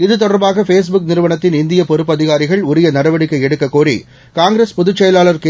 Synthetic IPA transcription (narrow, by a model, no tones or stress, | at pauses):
ɪðɯt̪ɔɽɐɾbaːɣɐfeːsbʊk̚nɪɾɯʋɐɳɐt̪ːɪnɪnd̪ɪjɐpɔɾɯpːɐðɪɣaːɾɪɣɐɭʊɾɪjɐnɐɽɐʋɐɽɪkːɐɪɛɽɯkːɐkːoːrḭ | kaːŋɡɾespʊðɯt͡ʃːɛjɐlaːlɐɾkː